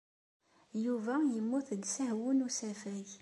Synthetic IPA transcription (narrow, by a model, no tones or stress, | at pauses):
juvæjəmːuθd̪sæhwʊnusæfæj